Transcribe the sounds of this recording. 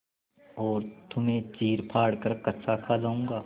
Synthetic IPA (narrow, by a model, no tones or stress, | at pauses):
ɔːɾt̪ʊmẽt͡ʃiːɾpʰaːɽkəɾkɐt̪sakʰad͡ʒaːũːɡaː